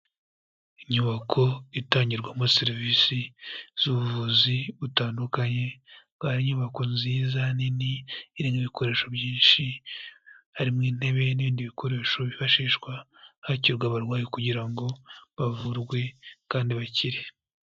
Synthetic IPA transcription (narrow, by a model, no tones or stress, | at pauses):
iɲuβakʰo̞itaːɲɟiɾɡwamoseɾivisiz̥uβuvuziβutaːndukaɲe̞βaɾiɲuβako̞nziːzaniniːɾiːŋɡiβikʰo̞ɾe̞ːʃo̞bjiːnʃi | haɾimŋiːn̥he̞βe̞niβiːndiβikʰo̞ɾe̞ːʃo̞βiβaʃiːʃkwahaciɾɡwaβaɾɡwaːjikuɟiɾaŋɡo̞βavuɾɡwe̞kaːndiβaciɾe